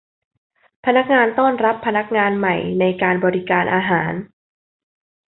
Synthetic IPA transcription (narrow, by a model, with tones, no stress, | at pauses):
pʰa˧na˦˥k̚ŋaː˧nt̪ɔː˥˩nɾa˦˥pʰːa˧na˦˥k̚ŋaː˧nma˨˩jna˧jkaː˧nbɔː˧ɾi˦˥kaː˧nʔaː˧ɦaː˩˦n